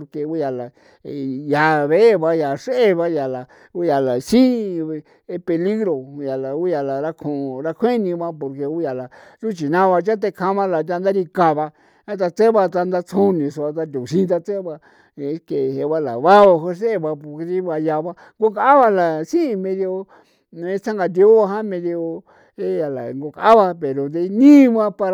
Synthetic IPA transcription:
o˧ɾke˧u˦ja˨la˨ | ja˨βe˦e˦βa˧ja˨ʂe˦e˦βa˧ja˨la˨ | u˦ja˨la˨sĩ˦˧ | e˧pe˧li˦ɣɾo˨ja˨la˨u˦ja˧la˨ɾa˦kʰõ˧˨˧ɾa˧kʰʷe˦nĩ˧βa˦po˧ɾke˧u˦ja˨la˨ | ʐu˦t͡ʃi˨nã˦˧βa˧t͡ʃa˦t̪̬e˧kʰã˧˦βã˦la˨t̪̬ʲa˧nd̪a˦ɾi˧ka˧βa˧ | a˦t̪̬a˧t͡se˦βa˧t̪a˧nd̪a˧t͡sʰõ˦nĩ˨sa˧t̪̬a˧t̪u˨ʃĩ˦˧t̪̬a˧t͡se˦βa˧˦ | ke˨ɦe˧βa˦la̰˨βa˦βa˧ɦo˧˦s̬e˦˧βa˧po˧˨ke˧ti˦βa˧ja˧βa˦ | ŋɡo˧ka˧˦a˦βa˧la˨sĩ˦˧mẽ˧ðjo˧ | e˧t͡sa˦ŋɡa˧d̪i˧˦o˦βa˧ɦã˦mẽ˧ði˧o˧ | e˦ja˨la̰˨ŋɡo˧ka˧a˦βa˧pe˨ɾo˨d̪e˧nĩː˦˧βã˦pa˧ɾ

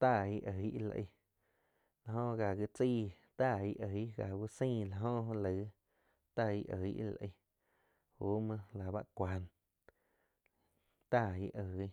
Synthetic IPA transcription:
t̪a˦˨i˧˦ʔə˨i˦ʔla̰˧ʔə̰˧ | la˧ɦõ˦ɣa˨ɣi˧t͡siː˦˧˨ | t̪a˧˨i˧ʔə˨˦ʔɡa˨ɡu˧sĩː˦˧˨la˧˨ɦõ˦ʔlə˨˦ | t̪a˦˧˨i˦˧ʔə̰˨i˦ʔla̰˨ʔə̰˧ | huː˦mã˧la˨ba˦ʔkʷa˨˧˦n | t̪a˦˧˨ḭ˧˦ʔə˨˦

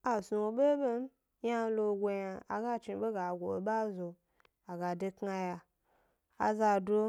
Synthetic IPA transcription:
a˨su˧o˨ɓe˦ɓe˦m˦ | ja˦lo˧ɡʷo˧ja˧a̰˨ɡa˦t͡ʃi˧˦ɓe˦ɡa˨ɡʷo˨ɓa˦zo˧ | a˨ɡa˨de˧kŋa˧ja˧ | a̰˨za˧do˦

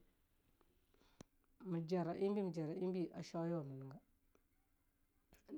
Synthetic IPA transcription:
mə˨d͡ʒa˨ɾa˨ʔi˦mbi˦mə˨d͡ʒa˨ɾa˨i˦mbi˦ʔa˨ʃa˦jo˦wa˨mə˨nə˨ɡa˦

